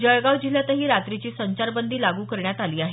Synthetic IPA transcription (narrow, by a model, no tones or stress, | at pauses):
d͡ʑəjɡaʋd͡ʑiljat̪əɦiːɾat̪ɾit͡ɕiːsəɲt͡ɕaɾbənd̪ʱiːlaɡuːkəɾɳjat̪aliːaɦe